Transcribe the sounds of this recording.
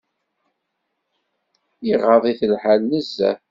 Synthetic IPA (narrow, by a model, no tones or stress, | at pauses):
iʁɑðˤiθəlħalnəzːæ̰